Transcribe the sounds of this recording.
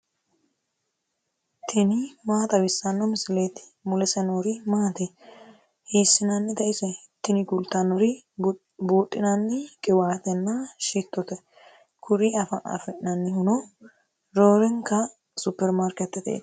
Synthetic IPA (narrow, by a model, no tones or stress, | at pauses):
t̪ʰɪnɪmaːt̪ɐwɪsːɐnːɔmɪsɪleːt̪ɪ̥mʊlɛsɛnoːɾɪmaːt̪ɛ | heːsːɪnɐnːɪd̪ɐʔɪsɛ | t̪ːɪnɪɡʊlt̪ːɐnːɔɾɪ | buːt̪ʼːɪnɐnːɪkʼɪwaːt̪ɛnːɐʃit̪ːɔt̪ɛ | kʰʊɾiɐfɐʔɐ̰fɛʔnɐnːɪhʊnɔ | ɾoːɾɪŋkɐ | sʊpːɛɾmaɾkɛt̪ːɛt̪ḛ